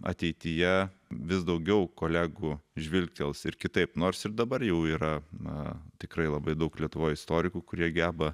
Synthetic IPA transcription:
ɐ̰t̪ʲɛɪt̪ʲijɛʋʲɪsd̪ɐʊɡʲɛʊkoːlʲæːɡuːʒʲʋʲɪlʲt̪ʲɛlˠsɪrkʲɪt̪ɐɪpnoːrsɪɾd̪ɐbɐrjɛʊiːɾɐnɐ̰t̪ʲɪkɾɐɪlˠɐbɐɪd̪ɐʊklʲiɛt̪ʊʋoːjɪst̪oːɾʲɪkuːkʊɾʲiɛɡʲæːbɐ

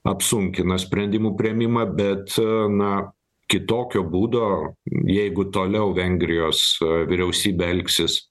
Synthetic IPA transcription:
ɐpsuŋʲkʲɪnɐsʲpʲɾʲɛnʲd̪ʲɪmuːpʲɾʲɪɛmʲɪmɐbʲɛt̪nɐ | kʲɪt̪oːkʲoːbuːd̪oːjɛɪɡʊt̪oːlʲɛʊʋʲɛŋʲɡɾʲɪjoːsʋʲɪɾʲɛʊsʲiːbʲeɛlʲksʲɪs

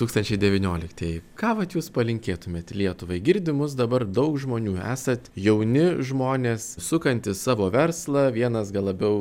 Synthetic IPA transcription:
t̪uːkst̪ɐnʲt͡ʃʲɛɪd̪ʲɛʋʲɪnʲoːlʲɪkt̪ʲɛjkɑːʋɐt̪juːspɐlʲɪŋʲkʲeːt̪ʊmʲeːt̪lʲiɛt̪ʊʋɐɪɡʲɪɾʲd̪ʲɪmʊs̬d̪ɐbɐrd̪ɐʊkʒmoːnʲuːæ̰ːsɐt̪jɛʊnʲɪʒmoːnʲeːssʊkɐnʲt̪ʲɪsɑːʋoːʋʲɛrslˠɐʋʲiɛnɐsɡɐlˠɐbʲɛʊ

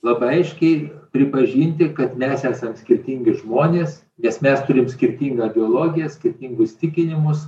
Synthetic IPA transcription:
lˠɑːbɐɐɪʃʲkʲɛɪpʲɾʲɪpɐʒʲiːnʲt̪ʲɪkɐt̪mʲɛsæːsɐmsʲkʲɪɾʲt̪ʲiːŋʲɡʲɪʒmoːnʲeːs | nʲɛsmʲɛst̪ʊɾʲɪmsʲkʲɪɾʲt̪ʲiːŋɡɐːbʲɪoːlˠoːɡʲɪjɛsʲkʲɪɾʲt̪ʲiːŋɡʊsʲt̪ʲɪkʲɪnʲɪmʊs

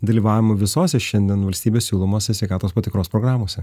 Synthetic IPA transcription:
d̪ɐlʲiːʋɑːʋʲɪmʊʋʲɪsoːsʲɛʃʲɛnʲd̪ʲiɛnʋɐlʲsʲt̪ʲiːbʲeːsʲsʲuːlˠomoːsʲɛsʲʋʲɛɪkɑːt̪oːspɐt̪ʲɪkɾoːspɾoːɡɾɑːmoːsʲɛ

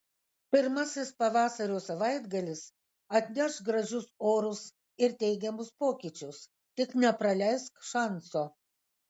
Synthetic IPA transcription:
pʲɪɾmɐsʲɪspɐʋɑːsɐɾʲoːsɐʋɐɪd̪ɡɐlʲɪs | ɐt̪ʲnʲɛʃɡɾɐʒʲʊsoːɾʊs | ɪɾt̪ʲɛɪɡʲɛmʊspoːkʲit͡ʃʲʊs | t̪ʲɪknʲɛpɾɐlʲæɪskʃɑnsoː

